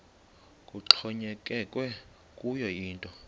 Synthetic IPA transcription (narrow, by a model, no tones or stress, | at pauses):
kʼut͡ɬʰɔɲɛkʼɛkʼwɛ | kʼujɔjiːntʼɔ